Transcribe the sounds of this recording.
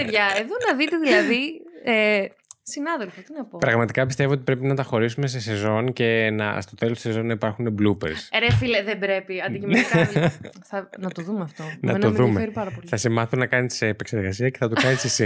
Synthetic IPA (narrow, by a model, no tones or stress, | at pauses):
eðʝɐeðo̞nɐðit̪e̞ðilɐðie | sinɐðelfot̪inɐpopɾɐɣmɐt̪i̥kɐpist̪e̞voot̪ipɾe̞pinɐt̪ɐxo̞ɾisume̞se̞se̞zo̞nce̞nɐ̰st̪o̞t̪e̞lost̪isezo̞nːɐipɐɾxuneblupḛɾsɾefileðebɾe̞piɐnicimɐθɐnɐt̪oðumeɐft̪o̞nɐenomðumeeɾipɐɾɐpoliθɐsemɐθunɐkɐniseːpe̞kseɾɣɐsiɐceθɐt̪ukɐnisisi